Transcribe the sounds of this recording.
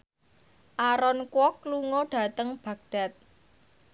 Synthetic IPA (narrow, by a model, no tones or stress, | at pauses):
ʔaɾɔnkwɔkːluŋɔɖ̥ä̤t̪əŋb̥a̤k̚d̥a̤t̪̚